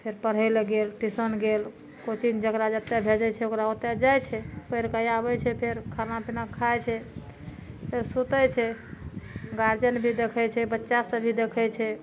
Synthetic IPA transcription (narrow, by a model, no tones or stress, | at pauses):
pʰeɾpəɾ̤ɦəjlɡelʈisənɡel | kot͡ʃind͡ʒəɡɾad͡ʒət̪ːebʱed͡ʒət͡ʃʰɛokɾaot̪ed͡ʒajt͡ʃʰɛpəjɾkajabɛt͡ʃʰɛpʰeɾkʰaɾnapinakʰːajt͡ʃʰɛ | pʰeɾsut̪əjt͡ʃʰɛ | ɡaɾd͡ʒənbʱid̪ekʰɛt͡ʃʰɛbətːʃasəbʱid̪ekʰəjt͡ʃʰɛ